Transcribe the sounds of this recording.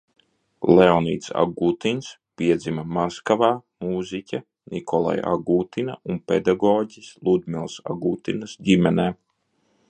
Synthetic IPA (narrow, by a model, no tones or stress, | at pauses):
lɛɔniːt̪sa̰ɡuːt̪ins | piɛd̪zimɐmaskavaːmuːzʲicʲa | nikʰɔlˠa̰ja̰ɡuːt̪inaunpḛd̪aɡɔːɟʲislˠud̪milˠsa̰ɡuːt̪inɐsɟʲimʲɛnɛː